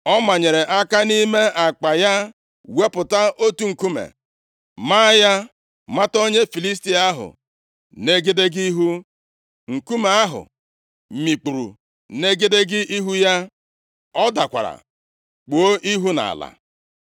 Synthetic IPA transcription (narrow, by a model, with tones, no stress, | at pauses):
ɔ˦ma˨ɲe˨ɾe˨ʔa˦ka˦ni˦me˦ʔa˨k͡pa˨ja˦ | we˦pʊ˨ta˦o˦tu˦ŋ̩˨ku˦mḛ˨ | ma˦ja˦ | ma˦to˦ɲe˦fi˨li˦s̬ti˦a˦ɦʊ̰˨ | ne˦ɡe˦de˦ɡi˦ɦu˦ | ŋ̩˨ku˦me˨a˦ɦʊ̰˨ | mi˨k͡pu˨ɾṵ˨ | ne˦ɡe˦de˦ɡɪ˦ʔi˦ɦu˦ja˦ | ɔ˦da˨kʷa̰˨ɾa̰˨ | k͡po˨o˦ʔi˦ɦu˦na̰˨la̰˨